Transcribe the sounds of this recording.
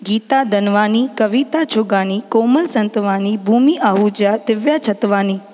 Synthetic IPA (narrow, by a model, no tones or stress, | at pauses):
ɡiːt̪ad̪ənʋaːnikəʋit̪at͡ʃʰoɡaːnikoːməlsə̃nt̪ʋaːnibʱuːmiʔaɦud͡ʒjad̪ɪʋjat͡ʃʰət̪ʋaːniː